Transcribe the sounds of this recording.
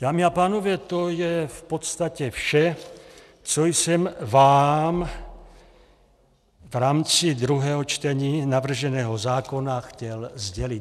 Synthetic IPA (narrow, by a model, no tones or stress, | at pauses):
d̪aːmiapaːnɔʋɛt̪ɔjɛfpɔt̪st̪acɛfʃɛ | t͡sɔjsɛmvaːm | vɾaːmt͡sid̪ɾuɦɛːɦɔt͡ʃt̪ɛɲiːnaʋvr̩ʒɛnɛːɦɔzaːkɔnaxcɛlzɟɛli